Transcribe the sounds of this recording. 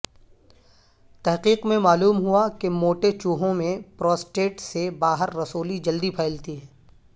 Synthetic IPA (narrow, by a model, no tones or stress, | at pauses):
t̪ɛɦqiːqmẽmaːluːmɦuakemoːʈet͡ʃuːɦõmẽpɾɔːsʈeːʈsebaːɦəɾːɐsoːlid͡ʒɐld̪ipʰɛːɪlt̪iɦɛː